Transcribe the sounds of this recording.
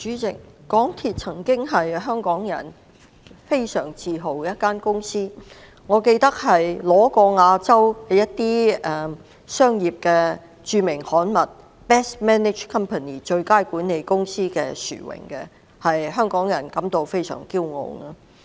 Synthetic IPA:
t͡ʃyː˨˥t͡sɪ˨˩k̚kɔː˨˥ŋt̪ʰiː˨t̚t͡sʰɐ˨˩ŋkɪ˥ŋɦɐ˨jɦœː˥ŋkɔː˨˥ŋjɐ̰˨˩n | fe˥jsœ̰ː˨˩ŋt͡siː˨˧ɦo˨˩wjɐ˥t̚kaː˥nkʊ˥ŋsiː˥ | ŋɔː˨˧ke˧jt̪ɐ˥k̚hɐ˨jlɔː˨˥kɔː˧ŋaː˧t͡sɐ˥wkɐ˨jɐ˥t̚t̪iː˥ɛ˨ | sœː˥ŋjiː˨p̚kɛː˧ | t͡ʃyː˨˧mɪ˨˩ŋhɔː˨˥nmɐ˨t̚ | pɛː˥smɛː˥nɪ˨˩t͡ʃkʰɐ˥mpʰɐ˨niː˨t͡ʃɵ˧ɥkaː˥jkuː˨˥nːe˨˧jkʊ˥ŋsiː˥kɛː˧sy̰ː˨˩wɪ̰˨˩ŋkɛ˧ | hɐ˨jɦœː˥ŋkɔː˨˥ŋjɐ˨˩nkɐ˨˥mt̪o˧wfe˥jsœ̰ː˨˩ŋkiː˥wŋo̰˨˧wŋaː˧

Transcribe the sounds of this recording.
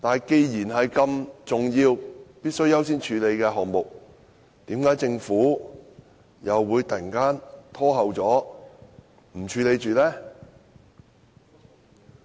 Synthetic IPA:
t̪aː˨˩jke˧jjiː˨˩nɦɐ˨jkɐ˧mt͡sʊ˨ŋjiː˧wpiː˥t̚sɵ˥ɥjɐ˥wsiː˥nt͡ʃʰyː˨˧le˨˧jkɛː˧ɦɔː˨ŋmʊ˨k̚ | t̪iː˨˥mkaː˨˥jt͡sɪ˧ŋfuː˨˥ | jɐ˨wːuː˨˧jt̪ɐ˨˩kaː˥nt̪ʰɔː˥ɦɐ˨wt͡sɔː˨˥ | m̩˨˩t͡ʃʰyː˨˧le˨˧jt͡ʃyː˨lɛː˥

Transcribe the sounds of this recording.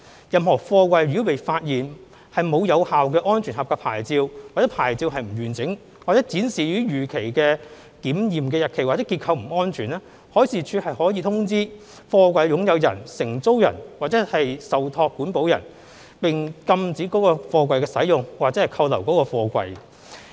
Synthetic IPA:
jɐ˨mhɔː˨˩fɔː˧kʷɐ˧jɥy˨˥wpe˨jfaː˧t̚jiː˨n | hɐ˨jmo˨˧wjɐ˨˧whaː˨wkɛː˧ʔɔː˥nt͡ʃʰyː˨˩nhɐ˨p̚ka˧pʰa̰ː˨˩jt͡siː˧wwaː˨t̚ɛː˨˦˥pʰaː˨˩jt͡siː˧wɦɐ˨jm̩˨˩ɥyː˨˩nt͡sɪ˨˥ŋ | wa˨t͡sɛ˨˥t͡siː˨˥nsiː˨jyː˨˥jyː˨˩kʰe˨˩jkɛː˧ | k̪iː˨˥mjiː˨mkɛː˧jɐ˨t̚kʰe˨˩jwaː˨t͡sɛː˨˦˥ki˧t̚kʰɐ˧wm̩˨˩ɔː˥nt͡ʃʰyː˨˩nɛː˥ | hɔː˨˥jsiː˨t͡ʃʰyː˧hɐ˨jhɔː˨˥jiː˧t̪ʰʊ˥ŋt͡siː˥ | fɔː˧kʷɐ˧jjʊ˨˥ŋjɐ˨˧wjɐ̰˨˩nsɪ˨˩ŋt͡so˥wjɐ̰˨˩nwaː˨t̚t͡sɛː˨˥hɐ˨jsɐ˨wt̪ʰɔː˧kːuː˨˥npo˨˥wjɐ̰˨˩n | pɪ˨ŋkɐ˧mt͡siː˨˥kɔː˨˥kɔː˧fɔː˧kʷɐ˧jkɛː˧sɐ˨˥jjʊ˨˩ŋwaː˨t̚t͡sɛː˨˥hɐ˨˩jkʰɐ˧wlɐ˨˩wkɔː˨˥kɔː˧fɔː˧kʷɐ̰˧j

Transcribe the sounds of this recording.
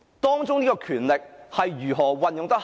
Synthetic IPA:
t̪ɔː˥ŋt͡sʊ˥ŋniː˥kɔː˧kʰyː˨˩nlɪ˨k̚hɐ˨jɥyː˨˩ɦɔː˨˩wɐ˨njʊ˨ŋt̪ɐ˥k̚

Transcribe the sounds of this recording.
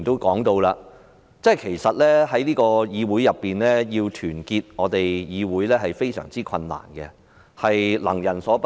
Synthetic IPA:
ŋt̪o˥wkɔː˨˥ŋt̪o˧wlaː˧ | t͡sɛː˥˩jkʰe˨˩jsɐ˨t̚lɛː˥ɦɐ˨˥jliː˥kɔː˧jiː˨˧wuː˨˥jɐ˨pːiː˨nlɛː˥jiː˧wt̪ʰyː˨˩nkiː˧t̚ŋɔː˨˧t̪e˨jjiː˨˧wuː˨˥jlɛː˥ɦɐ˨jfe˥jsœ̰ː˨˩ŋt͡siː˥kʰɐ˧nːa̰ː˨˩nkɛ˧ | hɐ˨jlɐ̰˨˩ŋjɐ˨˩nsɔː˨˥p

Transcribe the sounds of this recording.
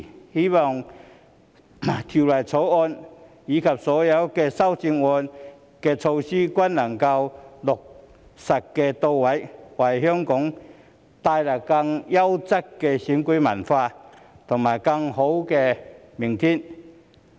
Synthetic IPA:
hi˥mɔ˨˩ŋ | t̪ʰi˨˩lɐ˨˩jt͡sʰo˨˥wɔː˧n | jiː˨˥kʰɐ˨˩p̚sɔː˨˥jɐ˨˥wkɛ˧sɐ˥wt͡ɕi˧ŋɔː˧n | kɛ˧t͡sʰo˧wsiː˥kwɐ˥nːɐ˨˩ŋkɐ˧wlʊ˨k̚ | sɐ˨˩k̚kːɛ˧t̪o˧wwa˨˥jwɐ˨˩jhœ˥ŋkʊ˨˥ŋ | t̪aː˧jla˨˩kɐ˧ŋja˦˥wt͡sɐ˥kkːɛ˧ɕi˨˥nku˧˥mɐ˨˩nfaː˧ | t̪ʰʊ˨˩ŋmaː˨˩jkɐ˧ŋho˨˦˥wkɛ˧mi˨˩ŋt̪ʰi˥n

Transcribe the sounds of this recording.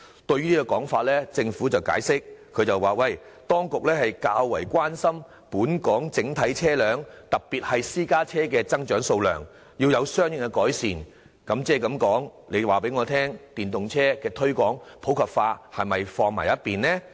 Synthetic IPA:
t̪ɵ˧ɥy˥niː˥kɔ˧kɔː˨˥ŋfaː˧t̚lɛː˥t͡sɪ˧ŋfuː˨˥t͡sɐ˨wka̰ː˨˥jsɪ˥k̚ʰːɵ˨˧ɥt͡sɐ˨waː˨wɐ˨˩j | t̪ɔː˥ŋkʊ˨k̚lɛː˥hɐ˨jkaː˧wwːɐ˨˩jkʷwaː˥nsɐ˥m | puː˨˥nkɔː˨˥ŋt͡sɪ˨˥ŋt̪ʰɐ˨˥jt͡sʰɛː˥lœː˨˧ŋt̪ɐ˨k̚piː˨t̚hɐ˨jsiː˥kaː˥t͡sʰɛː˥kɛː˧t͡sɐ˥ŋt͡ʃœː˨˥ŋso˧wlœ̰ː˨˩ŋ | jiː˧wjɐ˨˧wsœː˥ŋjɪ˨˧ŋɛ˧kɔː˨˥jsiː˨n | kɐ˨˧˥mt͡sɛː˥˩kɐ˨˥mkɔː˨˥ŋle˨˧jwaː˨˩p̬e˨˥jŋɔː˨˧t̪ʰɛː˥ŋt̪iː˨nt̪ʊ˨ŋt͡sʰɛː˥kɛː˧t̪ʰɵ˥ɥkɔː˨˥ŋpʰo˨˥wkʰɐ˨p̚faː˧hɐ˨jmɐ˨jfɔː˧ŋma̰ː˨˩jɐ˥t̚pːiː˨nnɛː˥

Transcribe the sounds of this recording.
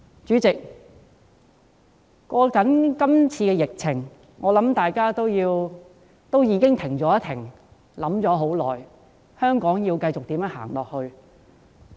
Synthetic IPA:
t͡ʃyː˨˥t͡sɪ˨k̚ | kːɔː˧kɐ˨˥nkɐ˥mt͡sʰiː˧kɛː˧jɪ˨k̚t͡sʰɪ˨˩ŋ | ŋɔː˨˧lɐ˨˥mt̪aː˨jkaː˥t̪o˥wjiː˧w | t̪o˥wjiː˨˧kɪ˥ŋt̪ʰɪ˨˩ŋt͡sɔː˨˥jɐ˥t̪ʰɪ̰˨˩ŋ | lɐ˨˥mt͡sɔː˨˥ɦo˨˥wlɔː˨˩j | hœː˥ŋkɔː˨˥ŋji˧wkɐ˧jt͡sʊ˨k̚t̪iː˨˥mjɐː˨˥nha̰ː˨˩ŋlɔː˨k̚hɵ˧ɥ

